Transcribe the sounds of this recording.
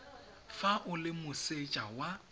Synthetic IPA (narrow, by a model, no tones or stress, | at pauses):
faʔʊlɪmʊset͡ʃʼawa